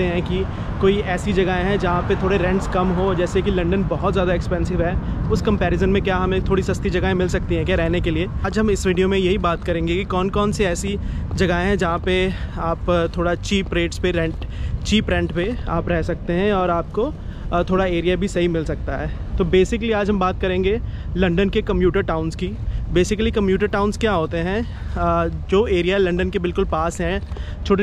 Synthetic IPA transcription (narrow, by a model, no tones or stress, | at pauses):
t̪eɦɛ̃ki | koːiɛːsid͡ʒɐɡaẽɦɛ̃d͡ʒɐɦãpet̪ʰoːɽeɾɛ̃ɳʈskɐmɦod͡ʒɛːsekilɐ̃ɳɖənbɔɦɔt̪zjaːd̪aɛkspɛ̃ːnsɪʋɦɛːʊskɐ̃mpɛːɾɪzənmẽkjaɦɐmet̪ʰoːɽisɐst̪id͡ʒɐɡəẽmɪlsɐk̚t̪iɦɛ̃kjaɾɛɦnekelieːaːd͡ʒɦɐmɪsʋiːɖijomẽjɐɦibaːt̪kɐɾẽːŋɡekikɔːnkɔːnsiɛːsid͡ʒɐɡaɦẽɦɛ̃d͡ʒɐɦãpeaːpt̪ʰoːɽat͡ʃiːpɾeːʈspeɾɛ̃ʈt͡ʃiːpɾɛ̃ɳʈpea̰ːpɾɛɦsɐk̚t̪eɦɛ̃ɔːɾaːp̚ko | t̪ʰoːɽaeːɾijabʱisɐɦimɪlsɐk̚t̪aɦɛː | t̪oːbeːsɪkliaːd͡ʒɦɐ̃mbaːt̪̚kɐɾẽːŋɡe | lɐ̃ɳɖənkekɐ̃mpjuːʈəɾʈaːʊ̃nskibeːsɪklikɐ̃mpjuːʈəɾʈaːʊ̃nskjaɦoːt̪eɦɛ̃ | d͡ʒoːeːɾijaɦɛlɐ̃ɳɖənkebɪlkʊlpaːsɦɛ̃ | t͡ʃʰoːʈ